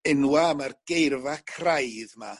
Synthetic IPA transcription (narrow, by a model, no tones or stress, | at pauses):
ɪnwamarɡ̥ejrvakʰrajðma